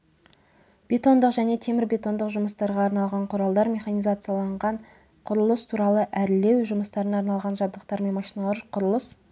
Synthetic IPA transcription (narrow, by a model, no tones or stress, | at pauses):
b̥e̞t̪o̞nd̪əqʒæne̞t̪ʰe̞mɪɾbʲe̞t̪o̞nd̪əqʒʊməst̪ɑɾʁɑːɾnɑlˠʁɑɴqʰʊɾɑlˠd̪ɑɾmʲe̞χɑnijzat̪sɨjalˠɑɴʁɑɴ | qʰʊɾəlˠəst̪ʰuɾɑlˠəʔæɾɪle̞wʒʊməst̪ɑɾənɑɾnɑlˠʁɑnʒɑb̚d̪əqt̪ɑɾme̞nmɑʃinɑlˠɑɾqʰʊɾəlˠəs